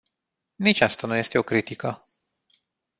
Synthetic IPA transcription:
nit͡ʃast̪anuje̞st̪e̞okɾit̪ikə

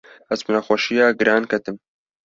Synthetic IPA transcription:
ɐzbɨnaxʷaʃijaːɡɨɾaːnkʰɐt̪ɨm

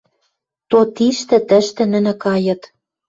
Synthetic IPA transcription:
t̪ot̪iʃt̪ɘ̆t̪ə̆ʃt̪ɘ̆nɘ̆nɘ̆kɑjɤ̆t̪

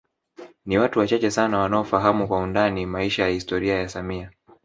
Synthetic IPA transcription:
niwatuwat͡ʃat͡ʃɛsanawanaɔfaɦamukwaundanimaiʃajahistɔɾiajasamia

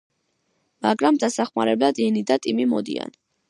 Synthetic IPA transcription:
maɡɾamd̪asaχma̰ɾɛblad̪ɛnid̪at̪ʼimimɔd̪ḭa̰n

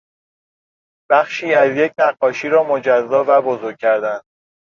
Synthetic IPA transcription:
b̥æxʃiːæzje̞c̚ʰnæɢːɒːʃiːɾɒːmod͡ʒæzːɒːvæbozoɾɡ̚ʰʲcʰːæɾd̪æn

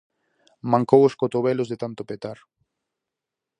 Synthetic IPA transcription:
mãŋkowoskot̪oβɛlʊzðet̪ant̪opet̪aɾ

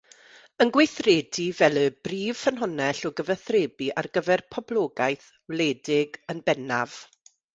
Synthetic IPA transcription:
ənɡwejθreːdivɛlˠəbriːv̥fənɦɔnɛɬɔɡəvəθreːbiʔarɡəvɛrpʰɔblˠɔːɡajθ | wlˠeːdɪɡənbɛnav̥

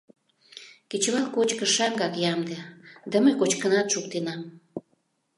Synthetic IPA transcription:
ket͡ɕβɑlˠkot͡ɕkə̆ʃɑŋɡɑkjɑmd̪ed̪əməkot͡ɕkənɑt̪ʃukt̪enɑm

